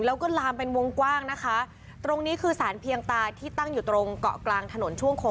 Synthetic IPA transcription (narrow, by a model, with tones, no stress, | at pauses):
lɛː˦˥wkɔː˥˩laː˧mpe˧nwo˧ŋkwaː˥˩ŋna˦˥kʰa˦˥ | t̪ɾo˧ŋniː˦˥kʰɯː˧saː˩˦npʰi˧əŋt̪aː˧t̪ʰiː˥˩t̪a˥˩ŋjuː˨˩t̪ɾo˧ŋkɔ̰˨˩klaː˧ŋt̪ʰa˧no˨˩˦nt͡ɕʰu˥˩əŋkʰo˧